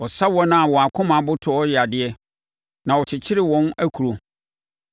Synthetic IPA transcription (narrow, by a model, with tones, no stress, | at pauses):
ɔ˨sa˦wɔ˦nã˨˦˨wɔ̃˨a˨kʰʊ̃˦mã˨˦bʊ˦tʰʊ˨˦ɔ˦jɛ˨a˨dɪ˨ɛ˦ | nã˨wɔ˨t͡ɕʰɪ˨t͡ɕʰɪ˦ɾɪ˦˨wɔ̃˦næ˦kʰu˨ɾo˨